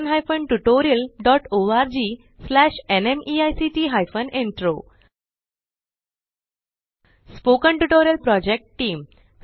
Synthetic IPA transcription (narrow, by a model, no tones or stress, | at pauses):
nɦajfəɳʈuʈoɾijəlɖɔʈoaɾd͡ʑiː | slæɕenemiajsiʈiɦajfəneɳʈɾo | spokəɳʈuʈoɾjəlpɾɔd͡ʑek̚ʈʈiːm